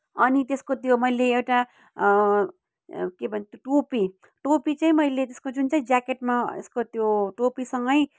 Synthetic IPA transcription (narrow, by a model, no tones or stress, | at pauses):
ʌnit̪eskot̪jomʌjleewʈa | kebʱʌnet̪joʈopi | ʈopit͡saĩmʌjlet̪eskod͡zunt͡saĩd͡zakeʈmaḛskot̪joʈopisʌŋɡʌj